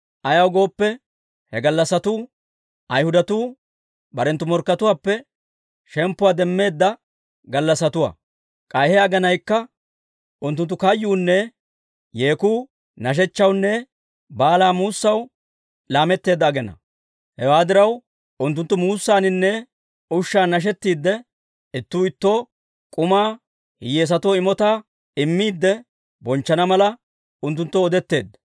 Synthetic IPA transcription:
ʔɐjɐwɡo̞ːpːɛ | hɛɡɐlːɐsɐt̪uː | ɐjhʊd̪ɐt̪uː | bɐɾɛnt̪ːʊmɔɾkːɐt̪ʊwaːpːɛ | ʃɛmpːʊwaːd̪ɛmːe̞ːd̪ːɐ | ɡɐlːɐsːɐt̪ʊwa̰ː | kʼɐjhɛaɡɛnɐjkːɐ | ʔʊnt̪ːʊnt̪ːʊkɐjːuːnːɛ | je̞ːkuː | nɐʃ̬ɛt͡ʃːɐwnːɛ | baːlaːmuːsːɐw | laːmɛt̪ːe̞ːd̪ːɐːɡɛnɐ̰ | hɛwaːd̪ɪɾɐw | ʊnt̪ːʊnt̪ːʊmuːsːaːnɪnːɛ | ʊʃːaːnɐʃ̬ɛt̪ːiːd̪ːɛ | ɪt̪ːuːɪt̪ːo | kʼʊmaː | hɪjeːs̬ɐt̪oɪmɔt̪aː | ɪmːiːd̪ːɛ | bɔnt͡ʃːɐnɐmɐlɐ | ʊnt̪ːʊnt̪ːɔɔd̪ɛt̪ːe̞ːd̪ːɐ

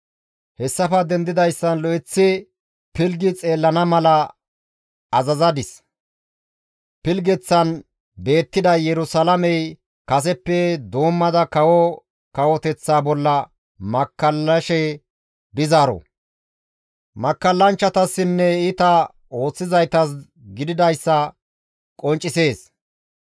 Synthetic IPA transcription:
hɛsːɐfɐd̪ɛnd̪ɪd̪ɐjsːɐnlɔʔɪt͡sːɪ | pɪlɡɪt͡sʼe̞ːlːɐnɐmɐlɐ | ɐzɐzɐd̪ɪs | pɪlɡɛt͡sːɐn | be̞ːt̪ːɪd̪ɐjɛɾʊsɐlɐmɛj | kɐs̬ɛpːɛd̪o̞ːmːɐd̪ɐkɐwɔ | kɐwɔt̪ɛt͡sːaːbɔlːɐ | mɐkːɐlːɐʃɛ | bɪzaːɾɔ̰ | mɐkːɐlːɐnt͡ʃːɐt̪ɐsːɪnːɛɪt̪ɐ | o̞ːt͡sːɪzɐjt̪ɐs̬ | ɡɪd̪ɪd̪ɐjsːɐ | kʼɔnt͡ʃʼːɪse̞ːs

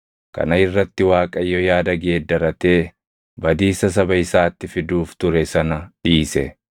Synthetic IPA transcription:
kɐ̰nɐɪrːɐt̪ːɪwaːkʼɐjːɔjaːd̪ɐɡe̞ːd̪ːɐɾɐt̪eː | bɐd̪iːsɐs̬ɐbɐɪsaːt̪ːɪfɪd̪uːft̪ʊɾɛsɐnɐᶑiːsɛ

